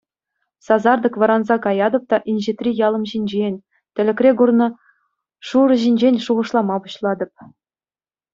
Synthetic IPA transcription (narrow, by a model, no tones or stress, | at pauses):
sɑzɑrd̪ɤ̆kʋɤ̆ɾɑnzɑkɑjɑd̪ɤ̆p̚t̪ɑʔinʲʑet̪rʲijɑlˠɤ̆mʑinʲd͡ʑenʲ | t̪ʲɘ̆lʲɘ̆krʲeɡurnɤ̆ | ʂuɾɤ̆ʑinʲd͡ʑenʲʂuʁɤ̆ʂlˠɑmɑpuɕlˠɑd̪ɤ̆p̚